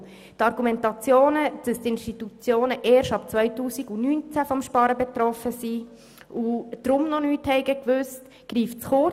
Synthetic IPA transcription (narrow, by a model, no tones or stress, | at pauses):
tɑɾɡ̥umɛntɑt͡sjoːnəd̥əst̪ɪnʃtit̪ut͡sjoːnəʔɛːɾʃtɑpt͡sʋœʏtuːsiɡunyːnt͡sæfɔmʃpɑɾəbɛtɾɔfəsi | ʔud̥ɾʊmnɔnyːthɛɪɡəkʋʏst | ɡ̥riːft͡sχʊ